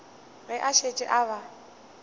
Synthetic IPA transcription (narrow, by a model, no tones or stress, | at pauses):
ɣɪʔaʃet͡ʃʼɪʔaβa